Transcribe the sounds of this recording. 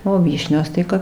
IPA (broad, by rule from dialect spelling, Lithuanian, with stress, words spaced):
oː ˈʋʲiːʃʲnʲoːs ˈtɐɪ kɐp